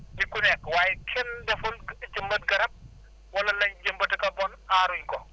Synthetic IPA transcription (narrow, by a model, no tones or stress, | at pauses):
dikunɛkwaːjikʰɛndɐfʊld͡ʒɐmbɐt̚ɡɐɾɐp̚ | wɐlɐlɐɲd͡ʒɐmbɐtɐkɐbɔnaːɾuɲkɔ